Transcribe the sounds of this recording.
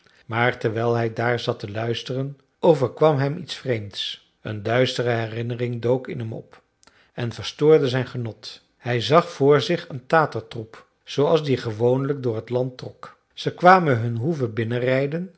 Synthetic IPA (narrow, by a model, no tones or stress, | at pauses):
maːɹtɛɹʋɛjlˠɦɛjdaːɹzɑtəlœɥstərən | owvəɹkʋɑmɦɛmitsfrejmts | ə̰ndœɥstərəɦɛrɪnərɪŋdowkɪ̰nɦɛmɔ̰p | ɛnvəɹstʊːɹdəzɛjnχənɔt | hɛjzɑχfʊːɹzɪχəntaːtəɹtrup | z̥owɑlˠzdiχəʋownlək̚dʊːɹɦətlɑntrɔk | z̥əkʋaːmənɦɵnɦuvəbɪnərɛjdən